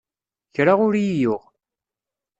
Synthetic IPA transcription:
çɾaʁʊɾjijʊʁ

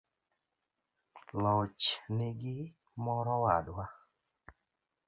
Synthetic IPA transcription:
lɔt͡ʃnɪɡɪ | mɔɾɔwadwa

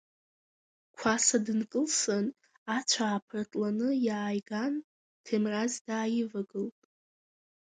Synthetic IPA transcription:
kʷʰasadɨnkʼɨlson | at͡ʃʷʰaːpʰɨrtʼlanɨjaːjɡan | tʰemrazdaːjɪvaɡɨltʼ

